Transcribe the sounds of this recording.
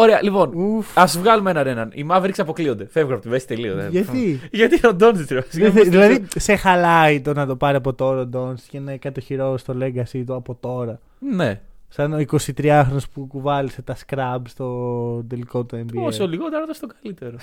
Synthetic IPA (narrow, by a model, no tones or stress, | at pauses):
oɾeɐ̰lipo̞nufɐsvɣɐlumenɐnenɐnḭmɐvɾikseɐpo̞klio̞nd̪e̞fevɣonɐpot̪ivesi̥t̪elioeʝɐt̪iʝɐt̪iod̪onsist̪ɾevɐsɐðilɐðise̞xɐlɐit̪onɐt̪o̞pɐɾeɐpo̞t̪o̞ɾɐod̪o̞nscenɐkɐt̪oçiɾo̞st̪o̞le̞ɡɐsit̪uɐpo̞t̪o̞ɾɐ | nesɐnoiko̞sit̪ɾiɐxɾonespukuvɐliset̪ɐskɾɐbst̪o̞d̪eliko̞t̪uembiosoliɣot̪eɾot̪ɐst̪okɐlit̪e̞ɾo